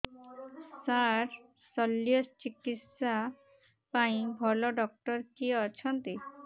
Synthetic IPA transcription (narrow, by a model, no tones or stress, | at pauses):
saɾ | sɔlːjost͡ɕikit̪sa | paĩbʱɔlɔɖɔk̚ʈɔɾkiɔt͡ʃʰɔnt̪i